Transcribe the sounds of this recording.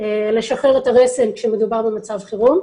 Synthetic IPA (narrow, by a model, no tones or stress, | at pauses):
ele̞ʃaχeʁetaʁesemkʃemedubaʁbe̞mat͡savχiʁun